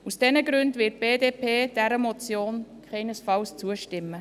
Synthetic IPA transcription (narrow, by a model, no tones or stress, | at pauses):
usd̥ɛnəɡɾʉndvɪt̚b̥eːdeːpʰeːd̥ɛɾəmɔt͡sjoːnkʰɛɪnəsfɑlst͡suəʃtɪmːə